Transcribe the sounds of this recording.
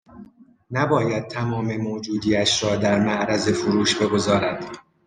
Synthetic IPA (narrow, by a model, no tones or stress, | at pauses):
næbɒːjæd̪̚t̪ʰæmɒːmemoːd͡ʒuːd̪iːæʃɾɒːd̪æɾmæʔɾæze̞foɾuːʃbe̞ɡo̞zɒːɾæd̪̥